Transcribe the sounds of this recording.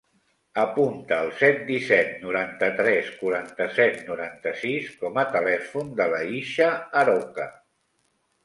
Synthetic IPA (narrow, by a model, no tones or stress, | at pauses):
əpunt̪əːlˠsɛt̪̚d̪isɛt̪̚nuɾant̪ət̪ɾɛskuɾant̪əsɛt̪nuɾant̪əsiskɔmət̪əlɛfund̪ələiʃəːɾokə